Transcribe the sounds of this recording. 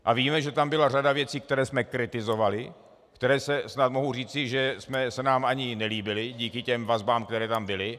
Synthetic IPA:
ʔaviːmɛʒɛt̪ambɪlar̝adavjɛt͡siːk̚t̪ɛɾɛːsmɛkɾɪt̪ɪzovalɪ | kt̪ɛɾɛːsɛsnat̪mo̞ɦuriːt͡sɪʒɛsmɛsɛnaːmʔaɲɪnɛliːbɪlɪɟiːkɪcɛmvazbaːmk̚t̪ɛɾɛːt̪ambɪlɪ

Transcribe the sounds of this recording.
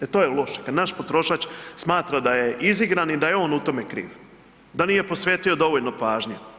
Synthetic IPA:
et̪o̞ːjelˠo̞ʃekad̪naʃpot̪ɾo̞ʃat͡ʃsmaːt̪ɾad̪aje̞ʔiziɡɾanid̪ajeo̞ːnut̪o̞mekɾḭːʋ | d̪aniːje̞po̞sʋeːt̪io̞d̪o̞ʋo̞ʎnopaːʒɲe

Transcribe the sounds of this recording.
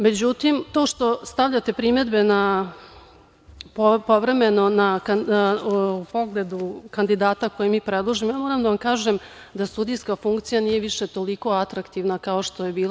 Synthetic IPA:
me̞d͡ʑut̪imt̪o̞ːʂt̪o̞st̪aʋʎat̪e̞pɾime̞d̪be̞na | ppo̞ʋɾe̞me̞no̞naka | upo̞ɡled̪ukand̪id̪aːt̪akojimiːpɾed̪lˠoʒimojaːmoːɾamd̪aʋamkaːʒem | d̪asud̪ijskafuŋkt̪sijaniːje̞ʋiʃet̪o̞liko̞at̪ɾakt̪iʋnakao̞ʂt̪o̞jebiːlˠa

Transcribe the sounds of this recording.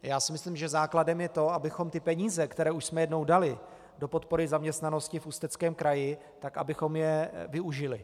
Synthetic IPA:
jaːsɪmɪslɪmʒɛzaːkladɛmjɛt̪o̞abɪxo̞mt̪ɪpɛɲiːzɛkt̪ɛɾɛːuʃsmɛjɛdno̞wdalɪ | do̞po̞t̪̚po̞ɾɪzamɲɛst̪nano̞scɪfust̪ɛt͡skɛːmkɾʔajɪ | t̪aka̰bɪxo̞mjɛvɪuʒɪlɪ

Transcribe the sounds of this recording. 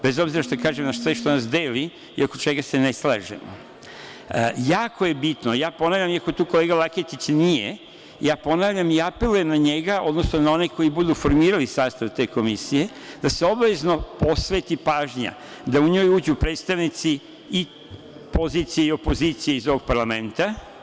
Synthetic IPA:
be̞zo̞bziɾaʃt̪okaːʒemnaʃsʋeʃt̪o̞nas̬d̪eːli | ḭo̞kot͡ʃe̞ɡase̞neslˠa̰ːʒḛmo̰ | jaːkʰo̞je̞bit̪nojaːpo̞naːvʎʲamiako̞t̪uːko̞leɡalˠaket̪it͡ɕnije | jaːpo̞naːʋʎʲamiapelujenaɲeɡaʔo̞d̪nosnonao̞neko̞jibud̪ufo̞ɾmiːɾalisaːst̪aʋt̪e̞ːko̞misije̞ | d̪aseo̞bʋe̞zno̞po̞sʋet̪ipaːʒɲa̰ | d̪auɲo̞juːd͡ʑupɾeːd̪st̪aʋnit̪si | i | po̞ziːt̪sijeio̞po̞zit̪sijeizo̞ʋo̞ɡ̚paɾlament̪a

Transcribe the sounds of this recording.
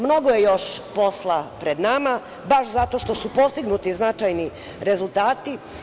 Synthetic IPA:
mno̞ɡojejo̞ʃpo̞slˠapɾed̪nama | baʃzat̪o̞ʃt̪o̞supo̞st̪iɡnut̪iznat͡ʃajni | ɾe̞zulˠt̪aːt̪i

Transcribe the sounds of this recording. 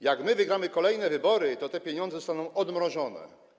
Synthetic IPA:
jaɡmɘvɘɡɾamɘkɔlɛjnɛvɘbɔɾɘt̪ɔt̪ɛpʲjɛɲɔnd̪zɛst̪anɔ̃w̃ɔd̪mɾɔʐɔnɛ̰

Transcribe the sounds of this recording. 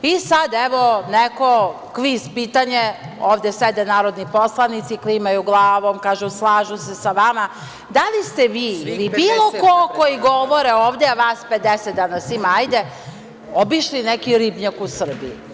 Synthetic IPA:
isad̪ɛʋoneko | kʋispiːt̪aɲe | oːʋd̪esʋed̪enaːɾo̞d̪niposlˠanit̪siklimajuɡlˠaːʋomkaːʒuslˠaːʒusesaʋama | d̪alist̪eʋiːilibiːlˠokokoiɡoʋoɾeoːʋd̪eaʋaːsped̪eset̪̚d̪anasimaajd̪e | obiʃlinekiɾibɲakusr̩bii

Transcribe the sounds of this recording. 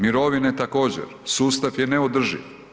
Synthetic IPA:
miɾoʋinet̪ako̞ːd͡ʑḛɾsuːst̪aʋjeneod̪r̩ʒḭʋ

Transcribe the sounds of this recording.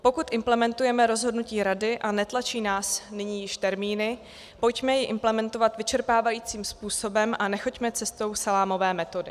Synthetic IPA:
po̞kut̪ʔɪmplɛmɛnt̪ujɛmɛɾo̞zɦodnuciːɾadɪʔanɛt̪lat͡ʃiːnaːsnɪɲiːjɪʃt̪ɛɾmiːnɪ | po̞jcmɛjɪʔɪmplɛmɛnt̪o̞vat̪vɪt͡ʃɛɾpaːvajiːt͡siːmspuːso̞bɛmʔanɛxo̞cmɛt͡sɛst̪o̞wsalaːmo̞vɛːmɛt̪o̞dɪ

